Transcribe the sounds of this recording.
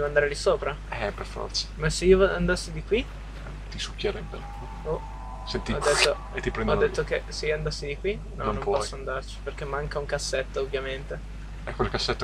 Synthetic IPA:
d̪ɛvoand̪aɾelisoːpɾa | ɛperfɔ̰rt̪sḁmaseiovand̪asːid̪ikwi | t̪isukjeɾɛbːel | o | sent̪iɔd̪et̪ːo | et̪ːipɾɛnd̪ɔnːet̪ːok̟eseioand̪asːid̪ikwi | nɔnõmnõmppɔsːoand̪art͡ʃi̥perk̟emːaŋkauŋkasːet̪ːoovːjament̪e | ɛkːwelkasːet̪ːo

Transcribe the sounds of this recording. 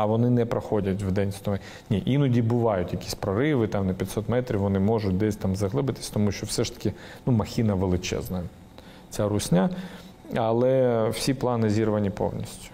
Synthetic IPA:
ɐʋɔnɪnɛpɾɐxodʲɐtʲvd̪ɛnʲsʲt̪ɔmɛ | nʲiʔinɔdʲibʊʋɑjʊt̪ʲjɐkʲi̥sʲpɾɐɾɪʋɪt̪amnɐpʲjɐt̪ʲsɔt̪mɛt̪ɾʲifʋɔnɪmoʐʊt̚ʲd̪ɛsʲt̪amzɐɦlˠɪbɨt̪ɪ̥sʲt̪ɔmuɕʲt͡ʃɔwsɛʂt̪ɐ̥kʲɪnumɐxʲinɐʋelˠɪt͡ʃɛ̰znɐ | t͡sʲaɾʊsʲnʲa | ɐlˠɛw̥sʲiplˠanɪzʲirʋɐnʲipo̰wnʲḭsʲtʲʊ̥

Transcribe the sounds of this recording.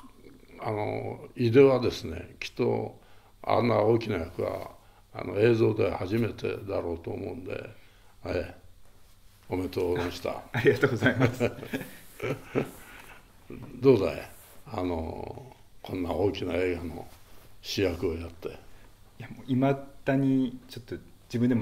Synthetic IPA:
ano̰id̪e̞βad̪e̞sɨne̞̰kʲi̥t̪ːo̞̰ | a̰nːao̞ːkʲinajakɯ̟βa̰ː | noe̞ːzo̞ːd̪e̞haʑime̞t̪e̞̰d̪aɾo̞ːt̪o̞ːmõ̞̰ɯ̃nd̪e̞̰ | e | ome̞t̪oːmaɕi̥t̪a̰aɾʲiɡat̪oːɡozaimas | d̪o̞ːd̪a̰ | ano̰ | kʰõ̞nːaoːkʲinae̞ːɡano̞̰ɕijakɯojat̪ːe̞ | jamoimad̪aɲ̟it͡ɕot̪ːo | d͡ʑibɯ̃nd̪em

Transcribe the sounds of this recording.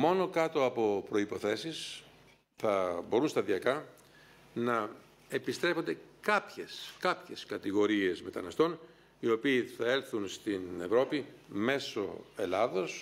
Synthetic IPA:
mo̞no̞kɐt̪o̞ɐpo̞pɾo̞ipo̞θe̞sis | θɐbo̞ɾunst̪ɐðiɐkɐ | nɐ | epist̪ɾe̞fo̞nd̪e̞kɐpçeskɐpçe̞skɐt̪iɣo̞ɾie̞zme̞t̪ɐ̰nɐst̪o̞n | io̞piːθɐe̞lθunst̪ine̞vɾo̞pime̞so̞̰e̞lɐðo̞s

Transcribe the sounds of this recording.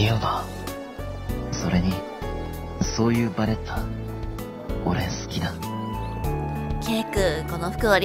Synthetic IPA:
ijob̪a | so̞ɾe̞ɲ̟i | so̞ːjɯːbaɾe̞t̪ʰːa | oɾẽsɨ̥kʲid̪a | kʲekɯko̞noɸɯ̟̥kɯ̟βaɾʲ

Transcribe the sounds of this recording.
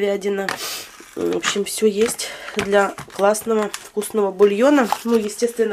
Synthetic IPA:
vʲædʲɪnə | vopɕːɪmfsʲɵjesʲtʲd̪lʲaklˠasnəvəfkusnəvəbʊlʲjo̞nənujɪsʲtʲe̞st̪vʲɪnːə

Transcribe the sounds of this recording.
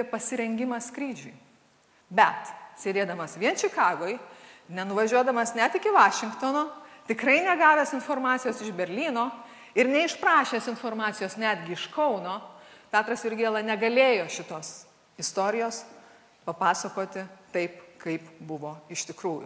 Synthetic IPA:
pʲiɛpɐsʲɪɾʲɛŋʲɡʲɪmɐskɾʲiːd͡ʒʲʊɪ | bʲɛt̪sʲeːd̪ʲeːd̪ɐmɐsʋʲiɛnt͡ʃʲɪkɑːɡoːjnʲɛnʊʋɐʒʲuɔd̪ɐmɐsnʲɛt̪ɪkʲɪʋɑːʃʲɪŋkt̪oːnoːt̪ʲɪkɾɐɪnʲɛɡɑːʋʲesɪnfoːrmɑːt̪sʲɪjoːsɪʒbʲɛɾʲlʲiːnoː | ɪɾnʲɛɪʃpɾɑːʃʲeːsɪnfoːrmɑːt̪sʲɪjoːsnʲæːd̪ʲɡʲɪɪʃkɐʊnoːpʲæːt̪ɾɐsɪɾʲɡʲeːlˠɐnʲɛɡɐlʲeːjoːʃʲɪt̪oːs | ɪst̪oːɾʲɪjoːs | pɐpɑːsɐkoːt̪ʲɪt̪ɐɪpkɐɪpbʊʋoːɪʃt̪ʲɪkɾuːjʊ̰

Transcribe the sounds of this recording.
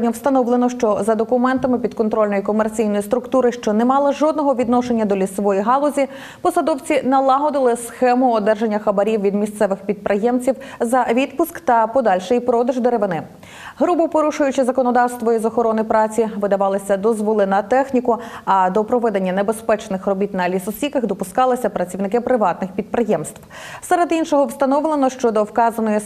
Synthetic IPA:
nʲɔwst̪ɐnɔʋlˠenɔʃt͡ʃɔzɐd̪ɔkʊmɛnt̪ɐmɪpʲid̪̚kɔnt̪ɾɔlʲnɔjikɔmert͡sʲijnɔjist̪ɾʊkt̪uɾɪʃt͡ʃɔnemɑlˠɐʒɔd̪nɔɦɔʋʲid̪nɔʃe̞nʲːɐd̪ɔlʲisɔʋɔjiɦɑlˠɔzʲi | pɔsɐd̪ɔwt͡sʲinɐlˠɑɦɔd̪ɪlˠɪsxɛmʊɔd̪ɛrʒe̞nʲːɐxɐbɐɾʲiwʋʲid̪mʲist̪sɛʋɪxpʲid̪̚pɾʔejɛmt͡sʲiwzɐʋʲid̪pʊskt̪ɐpɔd̪ɑlʲʃɪjpɾɔd̪ɐʒd̪eɾeʋɪnɪ | ɦɾubʊpɔɾuʃʊjʊt͡ʃɪzɐkɔnɔd̪ɑwst̪ʋɔizɔxɔɾɔnɪpɾɑt͡sʲiʋɪd̪ɐʋɑlˠɪsʲɐd̪ɔzʋɔlˠɪnɐt̪ɛxnʲikʊɐd̪ɔpɾɔʋɛd̪enʲːɐnebespɛt͡ʃnɪxrɔbʲit̪nɐlʲisɔsʲikɐxd̪ɔpʊskɑlˠɪsʲɐpɾɐt͡sʲiwnɪkɪpɾɪʋɑt̪nɪxpʲid̪̚pɾɪjɛmst̪w | sɛɾed̪inʃɔɦɔwst̪ɐnɔʋlˠenɔʃt͡ʃɔd̪ɔwkɑzɐnɔji

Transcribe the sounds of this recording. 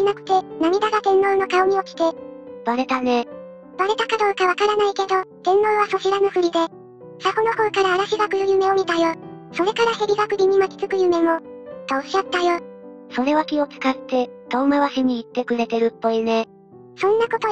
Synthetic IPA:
inakɯ̟̥t̪e̞namʲid̪aɡad̪ẽ̞nːo̞ːno̞kaoɲ̟iokʲi̥t̪e̞b̥aɾe̞t̪ane̞ | b̥aɾe̞t̪akad̪o̞ːkaβakaɾanaike̞d̪o̞d̪̥ẽ̞nːo̞ːβaso̞ɕiɾanoɸɯ̟ɾʲid̪e̞ | sakono̞hoːkaɾaːɾaɕiɡakɯ̟ɾɯjɯ̟me̞omʲit̪ajo | so̞ɾe̞kaɾaçeɾʲiɡakɯ̟ɾʲiɲ̟imakʲi̥t͡sɨkɯ̟jɯ̟me̞mo̞ | t̪oːɕat̪ːajo | so̞ɾe̞βakʲio̞t͡sɨ̥kat̪ːe̞t̪oːmaβaɕiɲ̟iːt̪ːe̞kɯ̟ɾe̞t̪e̞ɾɯ̟pːo̞ine̞ | sõ̞nːako̞t̪o

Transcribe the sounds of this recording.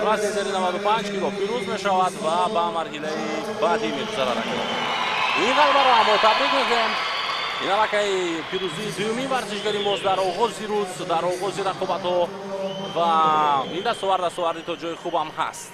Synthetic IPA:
vazizeɾinavad̪upʰand͡ʒniɡɔpʰiɾuzme̞ʃavad̪vabamaɾɦilai | bad̪imeɡuzaɾa̰ɾa̰ko̰n | inʁalbaɾɔhamɔt̪ʰabɾikmek̪eminalakaipʰiɾuziːd̪ujuminvaɾziʃɡaɾimɔsd̪aɾɔʁɔziɾuzd̪aɾɔʁɔziɾaqʰɔbat̪hɔ | vaind̪ast̪ɔvaɾd̪ast̪ɔvaɾd̪it̪ʰɔd͡ʒɔiχubamha̰st̪

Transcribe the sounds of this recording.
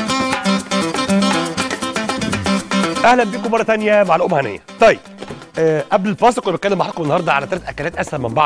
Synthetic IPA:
ʔæhlæmbiːkomːɑrˤːɑt̪ænjæmaʕalʔomhænḛjːæt̪ˤɑjːeb̚ | ʔæblelfɑːsˤekwnbet̪kælːemaħɑːkomenːɑhɑɾˤd̪ˤɑʕalæt̪ɑɾˤt̪ʔækæːlæːt̪ʔæsæɾmembɑʕ

